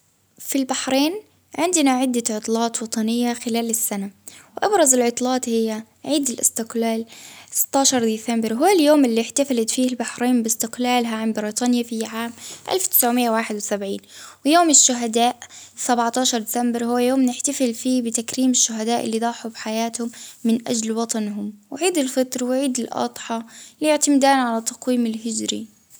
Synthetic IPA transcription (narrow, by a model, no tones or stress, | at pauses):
filbaħɾiːn | ʕɪnd̪ɪnaʕɪd̪ːaʕʊt̪ˤlɑːt̪wɑt̪ˤɑnɪjːaxɪlaːlɪsːanawʔɑbɾˤɑzɪlʕʊt̪ˤlɑːt̪hɪjːa | ʕiːd̪ɪlʔɪ̰st̪ɪqlaːlsɪ̥t̪ːɑːʃɑɾˤd̪iːθambɪɾɦʊwːaljoːmɪlːiħt̪aflɪt̪fiːɪlbaħɾiːnbɪst̪ɪqlaːlɦaʕanbɪɾiːt̪ˤɑːnjafiʕaːmʔa̰lft̪ɪ̥sʕʊmɪjːawaːħɪd̪wɪsabʕiːnwɪjoːmɪʃːʊɦad̪aːʔsabʕt̪ɑːʃɑɾˤd̪ɪsambɪɾhʊwːjoːmnɪħt̪afɪlfiːbɪt̪akɾiːmɪʃːʊɦad̪aːʔɪ̰lːid̪ˤɑːħubħajaːt̪hʊmːɪnʔa̰d͡ʒlwɑt̪ˤɑnɦʊmwɪʕiːd̪ɪlfɑt̪ɾwɪʕiːd̪ɪlʔɑ̰d̪ˤħɑlijɪʕt̪amd̪aːnʕalat̪ːɑqwiːmɪlɦɪd͡ʒɾḭ